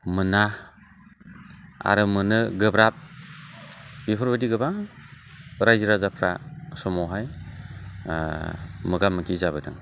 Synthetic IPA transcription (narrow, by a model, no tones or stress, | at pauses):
mɯna | a̰ɾɯmɯnɯɡɯbɾap̚ | b̥ipʰɯɾbɯdiɡɯbaŋ | ɾajziɾazapʰɾasɔmɔɦaj | mɯɡamɯkʰizaβɯdɯ̰ŋ